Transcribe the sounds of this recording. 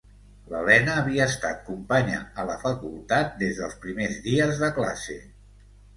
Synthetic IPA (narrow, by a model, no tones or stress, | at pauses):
lə̰lɛnəːβiəːst̪at̪kumpaɲə̰ələfəkulˠt̪at̪̚d̪ezðəlˠspɾimezðiəzðəkla̰sḛ